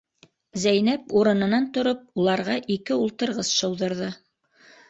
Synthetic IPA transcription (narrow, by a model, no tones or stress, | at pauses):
zæjnæpuɾɤ̆nɤ̆nɑnt̪ŏɾop̚ulˠɑɾʁɑʔikɘulˠt̪ɤ̆ɾʁɤsʃɤ̆wðɤ̆ɾðɤ